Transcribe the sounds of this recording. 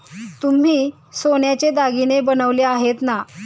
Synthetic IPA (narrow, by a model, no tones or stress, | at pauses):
t̪um̤iː | soɳjat͡ɕed̪aɡinebənəʋleaɦet̪na